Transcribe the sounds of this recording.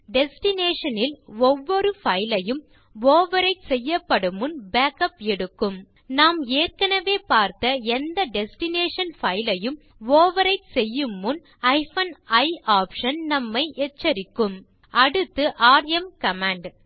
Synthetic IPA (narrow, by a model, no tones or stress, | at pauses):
ɖɛsʈɪneːʂɐnɪlɔʋːɔɾɯfɐjlɐjɯm | ʋoːʋɐɾɐɪsɛjːɐpːɐɽɯmɯnbaːkɐpɛɽɯkːɯm | naːmeːrkɐnɐʋeːpaːɾt̪ɐɛnd̪ɐɖɛsʈɪneːʂɐnfɐɪlɐjɯm | ʋoːʋɐɾɐɪsɛjːɯmːɯn | ɐɪfɐnɐɪaːpʂɐnnɐmːɐɪʔɛt͡ʃːɐɾɪkːɯm | ɐɽɯt̪ːɯʔaːɾɛmkɐmaːɳɖ